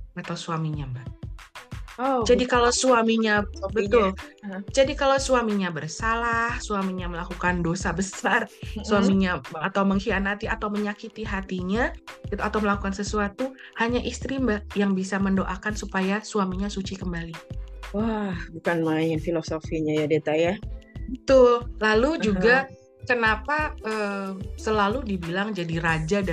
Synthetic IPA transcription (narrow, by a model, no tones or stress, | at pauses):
at̪awsuamiɲambah | od͡ʒadikalasuamiɲabət̪ʊld͡ʒadikalawsuamiɲabərsalahsuamiɲaməlakukandosabəsarsuamiɲaat̪awməŋhianat̪iat̪awməɲakit̪iɦat̪iɲaɡit̪uat̪awməlakukansəsuat̪uhaɲaʔist̪ɾimbajaŋbisaməndoʔakansupajasuamiɲasut͡ʃikəmbaliwahbukanmaiŋɪnfilosofiɲajadet̪ajat̪ʊlalud͡ʒuɡa | kənapaʔəsəlaludibilaŋd͡ʒadiɾad͡ʒada